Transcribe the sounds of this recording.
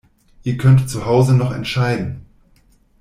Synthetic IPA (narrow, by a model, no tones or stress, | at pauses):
ʔiːɐkʰœntt͡suhaʊzənɔχɛ̰ntʃaɪdn̩